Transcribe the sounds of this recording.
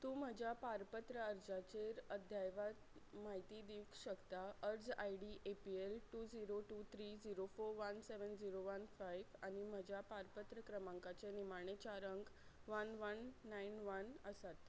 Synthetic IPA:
t̪ũːm̤əd͡ʑʱjapaɾpət̪ɾəəɾd͡zat͡ɕeɾəd̪ʱjajʋat̪maɦit̪iːd̪ikɕəkt̪aəɾd͡zajɽiʔepielʈuːd͡ziɾoʈuːt̪ʰɾiːd͡ziɾofoɾʋənseʋənd͡ziɾoʋənfajʋanim̤əd͡ʑʱjapaɾpət̪ɾəkɾəmãŋkat͡senimaɳet͡ɕaɾəŋɡʋənʋənːainʋənəsat̪

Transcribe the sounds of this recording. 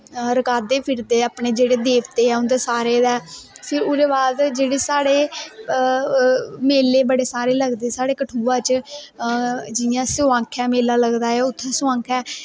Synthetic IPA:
ɾəkaːd̪eːpʰɪɾd̪eːəːpɳeːd͡ʒeːɽeːd̪eːʋt̪eːɛːʊ̃nd̪eːsaːɾeːd̪ɛːpʰɪɾʊɾeːbaːd̪d͡ʒeːɽeːsaːɽeː | meːleːbəɽeːsaːɾeːləɡd̪eːsaːɽeːkəʈʰuːãːt͡ʃ | d͡ʒɪjãːsʊãːkʰɛːmeːlaːləɡd̪aːɛːʊt̪ʰːɛ̃ːsʊãːkʰɛː

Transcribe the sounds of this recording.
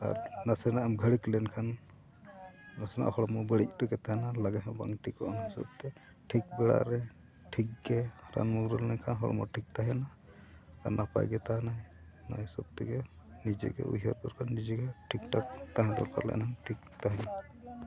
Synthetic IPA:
a̰ɾnasɛnaʔɛmɡʱəɽiklɛnkʰan | nasɛna̰ʔhɔɽɔmɔbəɽic̚tɔɡɛt̪aɦɛnalaɡaɦɛ̃ba̰ŋʈikɔʔnasɔ̰b̚t̪ɛ | ʈʰik̚bɛɽa̰ʔɾɛ | ʈʰik̚ɡɛɾa̰nmuɡɾɔlɛnkʰanɦɔɽɔ̰mɔ̰ʈʰik̚t̪aɦɛna | aɾnapa̰jɡɛt̪aɦna | na̰jɛsɔb̚t̪ɛɡɛ | nid͡ʒɛ̰ɡɛ̰ʔṵɦaɾbɔɾkʰanːid͡ʒɛɡɛʈʰik̚ʈakt̪aɦɛ̃d̪ɔ̰lpa̰ɾlɛ̰ʔnaŋʈʰik̚t̪aɦɛna

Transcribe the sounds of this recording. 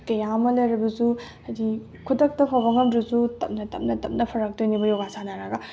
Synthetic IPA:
kɐjamɐlɐjɾɐbɐzuhɐjdi | kʰutɐk̚tɐpʰabɐŋɐmdɾusutɐ̰m̚nɐtɐ̰p̚nɐtɐp̚nɐpʰɐɾɐk̚dojnibɐjoɡasanaɾɐɡɐ

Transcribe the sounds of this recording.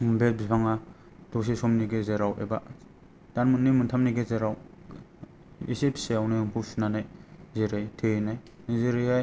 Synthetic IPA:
bebipʰaŋa | d̥ɔs̬isɔmniɡezeɾawḛba | d̥anmɯnːimɯntʰamniɡezeɾaw | ḭsipseawniɯmpʰusnanajzeɾajtʰenaj | zeɾiaj

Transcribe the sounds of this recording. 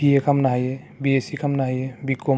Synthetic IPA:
iekɐmnaːɦije | biesikɐmnaɦijebiko

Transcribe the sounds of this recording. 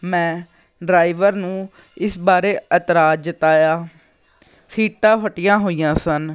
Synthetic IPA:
mɛ̃ː | ɖɾaːiʋəɾnũː | ɪsbaːɾeːət̪ɾaːd͡ʒd͡ʒɪt̪aːjaː | siːʈãːfəʈɪjãːɦoːijãːsən

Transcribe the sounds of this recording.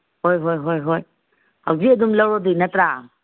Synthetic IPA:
hɔjɦɔjɦɔjɦɔj | awziɛdumlɔɹɔdinɛtɾa

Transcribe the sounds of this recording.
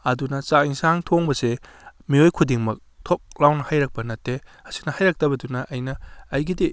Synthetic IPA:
ɐdunɐt͡ʃaiŋsaŋtʰoŋbɐse | miojkʰudiŋmɐk̚ | tʰop̚lawnɐhajɾɐk̚pɐnɐtːeɐsi̥nɐhajɾak̚tɐbɐdunɐʔɐjnɐːjɡidi

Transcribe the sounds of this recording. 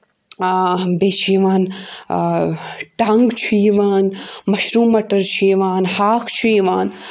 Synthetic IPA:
beːt͡ʃʰijʋaːn | ʈaŋɡt͡ʃʰijiʋaːnmɐʃɾuːmɐʈɐɾt͡ʃʰiʋaːnhaːkʰt͡ʃʰiiʋaːn

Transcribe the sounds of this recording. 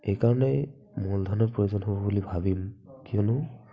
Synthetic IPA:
ejkaɹɔnɛ | mɔld̪ʱɔnɔpɹojozɔnɦobɔbulibʱabimkiɔnʊ

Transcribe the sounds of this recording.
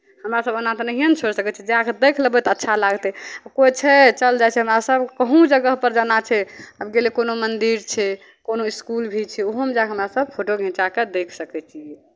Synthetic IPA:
həmɾasəbənãt̪nəɦijənt͡ʃʰoɾsəkɛt͡ʃʰid͡ʒeakd̪ekʰləbɛt̪ɔətːʃʰalaɡt̪ɛakot͡ʃʰɛt͡ʃəld͡ʒajt͡ʃʰɛɦəmɾasəbkəɦũd͡ʒəɡəɦpəɾd͡ʒanat͡ʃʰɛəbɡelekonomənd̪iɾt͡ʃʰɛ | konoiskulbʱit͡ʃʰɛoɦomd͡ʒakɦəmɾasəb̚pʰoʈoɡʱĩt͡ʃaked̪ekʰsəkɛt͡ʃʰi

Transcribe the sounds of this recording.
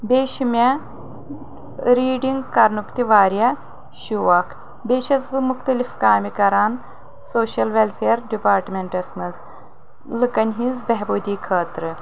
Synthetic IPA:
beːʃimʲɐ | ɾiːɖiŋɡkɐɾnukt̪iʋaːɾjɐ | ʃuʋɐkʰ | beːʃɐzbɨmuxt̪ɐlifkaːmikɐɾaːn | soːʃɐlʋelfʰeːɾɖipaːɾʈmʲeɳʈɐsmɐz | lɨkɐnʲɦĩnzbɐɦboːd̪ʲiːkʰəːt̪ɾɨ

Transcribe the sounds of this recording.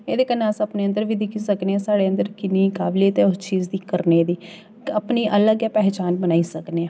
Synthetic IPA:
eːd̪eːkənasəpneːə̃nd̪əɾʋiːd̪ɪkʰiːsəkneːɛ̃ːsaːɽeːənd̪əɾkɪniːkaːbliːət̪eːʊst͡ʃiːzd̪iːkəɾneːd̪iː | əpniːʔələɡjaːpɛːɦt͡ʃaːnbənaːiːsəknẽː

